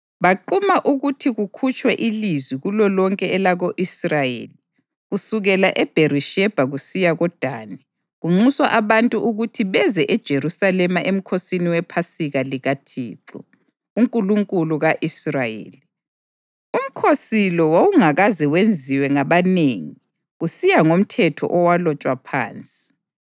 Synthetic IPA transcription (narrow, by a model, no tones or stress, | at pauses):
βaǃumaʔuɣutʰiɣukʰut͡ʃʼwɛʔilizwiɣulɔlɔŋkʼɛɛlaɣoʔisrajḛːli | ɣusuɣɛlaʔɛb̥ʱeɾiʃɛb̥ʱaɣusijaɣɔd̥ʱa̰ːnɛ | ɣuŋ͡ǀuswa̰ʔaβantʼuʔuɣutʰiβɛzɛʔɛd̥ʒ̥ʱeɾusalɛmaʔem̩kʰosiniwɛpʰasiɣaliɣatʰḭːǁɔ̰ | uŋkʼuluŋkʼuluɣaʔisrajḛːli | um̩kʰosilɔwouŋaɣaziwend͡zʱiwɛŋaβaneːŋi | ɣusijaŋom̩tʰɛtʰɔ̰ʔɔwalɔt͡ʃʼwapʰa̰ːnt͡sʼi̥